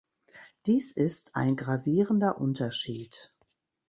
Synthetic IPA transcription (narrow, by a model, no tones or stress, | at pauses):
d̥iːsʔɪstʔa̰ɪnɡʁaviːʁəndɐʔʊntɐʃiːt